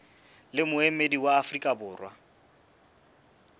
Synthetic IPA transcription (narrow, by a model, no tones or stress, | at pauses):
lɪmʊemediwaːfrikʼabʊːrwa